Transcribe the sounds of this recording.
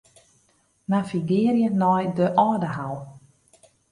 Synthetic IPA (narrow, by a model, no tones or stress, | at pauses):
nafiɡɪːrjənɔjdəʔɔːdəɦawˠ